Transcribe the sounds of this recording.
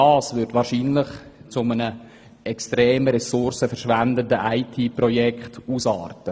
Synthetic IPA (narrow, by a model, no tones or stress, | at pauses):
ɑːsʋʏɾdʋɑːɾʃiːnlɪχt͡sʊmənə | ʔɛkstɾeːməɾɛsʊɾsəfəɾʃʋændəndəʔaɪtʰiːprɔjɛkχtuːsɑ̰ːrtə